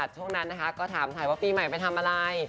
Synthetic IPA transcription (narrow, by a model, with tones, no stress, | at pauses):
t̪̚ʰu˥˩əŋna˦˥nːa˦˥kʰa˦˥kɔː˥˩t̪ʰaː˩˦mt̪ʰa˨˩˦jwaː˥˩piː˧ma˨˩jpa˧jt̪ʰa˧mʔaː˧ɾa˧j